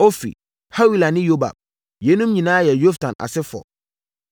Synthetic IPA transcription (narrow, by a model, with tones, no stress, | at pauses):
o˦fḭ˨ | ha˦wi˨la˨nɪ̃˦jo˦ba̰˨b̚ | je˦nũ˦mɲĩ˨nãː˦jɛ˨jo˦fdã˨na̰˨sɪ˦fɔ̰˨